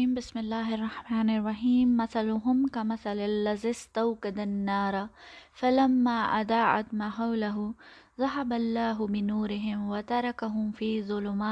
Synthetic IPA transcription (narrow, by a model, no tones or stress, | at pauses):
iːmbɪsmɪlːaːhɑrˤːɑħmaːnɪrˤːɑħiːmːaθalʊɦʊmkamaθalalːazist̪awkad̪anːɑːɾˤfalamːaʔad̪aːʕa̰d̪maħawlaɦʊ | ðˤɑɦabalːaːɦʊbɪnuːɾɪɦɪmwat̪ɑɾˤɑkaɦʊmfiːzˤʊlʊmaː